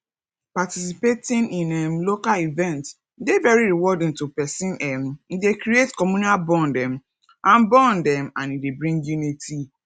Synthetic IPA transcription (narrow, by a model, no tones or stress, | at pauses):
patisipetĩnĩnɛmlokalivɛ̃nt | n̩devɛɹiɾiwɔdɪ̃ntupɛsĩnɛmn̩dekɾietkɔmunalbɔ̃ndɛ̃m̩ | ãnbɔ̃ndɛ̃mãnidebɾĩŋɡjuniti